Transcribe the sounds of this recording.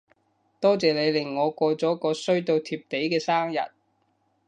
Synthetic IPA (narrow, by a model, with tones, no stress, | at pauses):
t̪ɔː˥t͡sɛː˨le˨˧jlɪ˨˩ŋːŋɔː˨˧kʷɔː˧t͡sɔː˨˥kɔː˧sɵ˥ɥt̪o˧wt̪ʰiː˧p̚t̪e˨˥jkɛː˧saː˥ŋjɐ̰˨t̚